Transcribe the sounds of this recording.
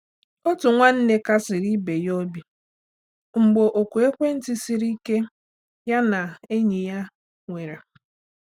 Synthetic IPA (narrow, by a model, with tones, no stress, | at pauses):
o˦tʊ˨ŋʷa˦n̩˦ne˦ka˦sɪ˨ɾi˦be˨jɔ˦bi˦ | ŋ͡m̩˨ɡ͡bo˨ʔo˨kʷu˨e˦kʷe˦n̩˦tɪ˦si˨ɾi˦ke˦ | ja˦na˨e˦ɲi˨ja˦ | ŋʷe˨ɾa˨